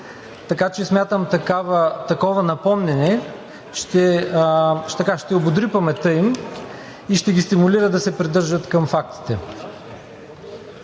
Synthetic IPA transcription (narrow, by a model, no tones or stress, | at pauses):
t̪ɐkat͡ʃɛsmʲjat̪əmt̪ɐkavt̪ɐkɔvɐnɐpɔmnɛnɛ | ʃt̪ɛ | t̪ɐkaʃt̪ɛobod̪ɾipɐmɛt̪ɤim | iʃt̪ɛɡʲist̪imuliɾəd̪ɐsɛpɾid̪ɤɾʒət̪kɐmfak̚t̪i̥t̪ɛ